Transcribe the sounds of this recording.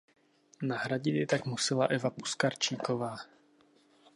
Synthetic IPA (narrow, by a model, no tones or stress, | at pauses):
naɦɾaɟɪt̪jɛt̪akmusɪlaʔɛvapu̥skaɾt͡ʃiːkovaː